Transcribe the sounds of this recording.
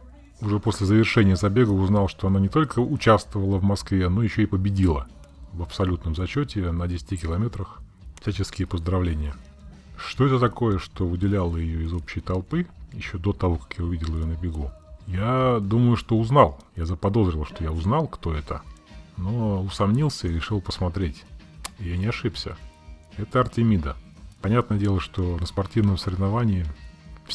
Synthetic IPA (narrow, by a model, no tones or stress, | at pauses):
ʊʐɛpo̞sʲlʲɪzəvʲɪrʂɛnʲɪjəzɐbʲe̞ɡəʊznɑlˠʂt̪oɐnanʲɪt̪o̞lʲkʰəʊt͡ɕast̪vəvəlˠəvmɐskvʲeno̞jɪɕːoɪpəbʲɪdʲilˠə | vəpsɐlʲut̪nəmzɐt͡ɕotʲɪnədʲesʲɪ̥tʲɪkʲɪlˠɐmʲet̪ɾəx | fsʲæt͡ɕɪskʲɪjəpəzd̪ɾɐvlʲenʲɪjə | ʂt̪o̞ɛt̪ət̪ɐko̞jəʂt̪o̞vɨdʲɪlʲalˠəjɪjoɪzopɕɪjət̪ɐlˠpɨjɪɕːo̞d̪o̞t̪ɐvo̞kḁkjaʊvʲidʲɪlˠɪjonəbʲɪɡujad̪uməjʊʂt̪o̞ʊznɑlˠjazəpɐd̪o̞zɾʲɪlˠʂt̪o̞jaʊznɑlˠkt̪o̞ɛt̪əno̞ʊsɐmnʲilˠsʲəɪɾʲɪʂɨlˠpə̥smɐt̪ɾʲetʲɪjanʲɪɐʂɨpsʲə̰ɛt̪əɐrtʲɪmʲid̪əpɐnʲat̪nəjədʲe̞lˠəʂt̪o̞nəspɐrtʲivnəmsəɾʲɪvnɐvanʲɪɪf